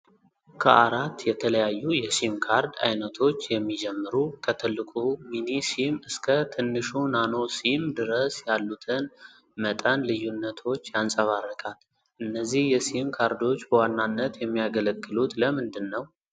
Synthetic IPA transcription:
kʰəʔaɾat̪ːjɛt̪ʰələjajːujɛsimkʰaɾd̪a̰jnət̪ʰo̞t͡ʃːjɛmːid͡ʒɛmːɨɾukʰət̪ʰɨlːɨkʼuminisimɨskʰət̪ʰɨnːɨʃunano̞simd̪ɨɾəsjalːut̪ʰɨn | mət̪ʼənlɨjːunːət̪ʰo̞t͡ʃːjansʼəβarːəkʼal | ʔɨnːəzːihjɛsimkʰaɾd̪o̞t͡ʃːbəwanːanːət̪jɛmːijaɡələɡʼːɨlut̪ləmɨnd̪ɨnːəw

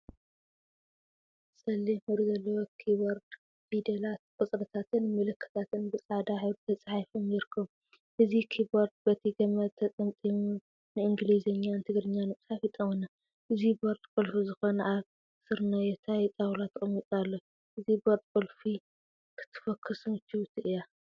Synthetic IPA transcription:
sɐlːimɐɾizɐlːɐwokʰiboɾd̪ | vid̪elat̪̚kʼɔt͡sʼɾɐt̪ʰat̪ʰɨnmɨlɨkʰːɨ̥t̪ʰat̪ʰɨnbɨt͡sʼʕad̪aħɨwɾt̪ʰɐt͡sʼaħajfɨmɪɾɨkʰːɐm | ʔɨzikʰiboɾd̪̚bɐt̪ʰiɡɐmɐt̪ʰːɐt̪ʼɐnt̪ʼimu | nɨʔɨŋɡlizɐɲːant̪ʰɨɡɾɨɲːanɨmʼsafit̪ʼɐmɐna | ʔɨziboɾt̪ʼkʼɨlfizɨxonʔaβ | sɨɾnɐjɛt̪ʰajt̪ʼawlat̪ʰkʼɨmit̪ʼalːo | ʔɨziboɾd̪̚ʼkʼɨlfi | kʰɨ̥t̪ʰːɨ̥fɐkʰːɨsnɨt͡ʃːiwut̪ʰɨʔɨja

